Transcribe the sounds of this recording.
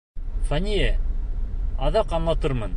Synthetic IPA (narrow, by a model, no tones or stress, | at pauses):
fænʲijæ | ɑðɑqɑmlˠɑt̪ɤɾmɤn